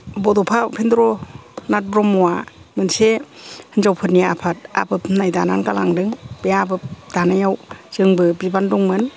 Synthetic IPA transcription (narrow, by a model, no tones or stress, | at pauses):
bɔdɔpʰapʰendɾɔnat̚bɾɔmːɔwamɯnsehɯnzawpʰɯt̚niapʰat̚a̰bɯpnajda̰na̰nkala̰ŋdɯŋb̥ejabɯp̚d̥anajawz̥ɯŋbɯbibandɔŋmɯn